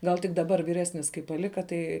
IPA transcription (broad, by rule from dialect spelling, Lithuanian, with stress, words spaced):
ˈɡɐlˠ tʲɪk dɐˈbɐr ʋʲiːˈrʲæːsʲnʲɪs kɐɪ pɐˈlʲɪkɐ ˈtɐɪ